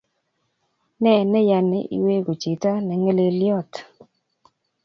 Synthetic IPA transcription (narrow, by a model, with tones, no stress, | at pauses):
nɛ˦˨nɛ˦ja˨nḛ˨ʔḭ˦we˦ɡo˨t͡ʃi˨ta˦nɛ˨ŋe˦le˦lɪ˦ɔ˦˨t